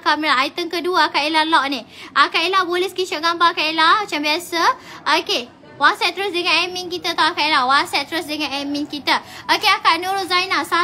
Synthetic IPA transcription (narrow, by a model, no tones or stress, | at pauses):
kaʔmilaɦajt̪ənkəduaakaʔilalɔʔ̚niʔakaʔilabolɛskit͡ʃaʔɡambakaʔilamat͡ʃambiasə | oke | wasɛtt̪əɾʊsdəŋãnɛmiŋkit̪at̪awakaʔilawasɛt̪əɾʊsdəŋanɛminkit̪əokeakaʔnuɾʊt̪̚zainasa